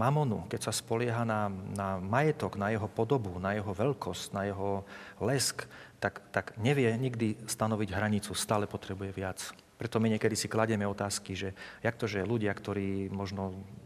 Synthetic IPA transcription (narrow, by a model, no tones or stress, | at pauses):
mamɔnṵkɛcsaspɔlɪɛɦananamajɛt̪ɔɡnajɛɦɔpɔd̪ɔbunajɛɦɔʋɛlkʰɔscnajɛɦɔlɛskt̪akt̪aɡɲɛʋɪɛɲiɡd̪ist̪anɔʋiɟɦɾaɲit͡sust̪aːlɛpɔt̪ɾɛbujɛʋɪat͡s | pɾɛt̪ɔmiɲɛkɛd̪isiklaɟɛmɛɔt̪aːskiʒɛjakt̪ɔʒɛluɟɪakt̪ɔɾiːmɔʒnɔ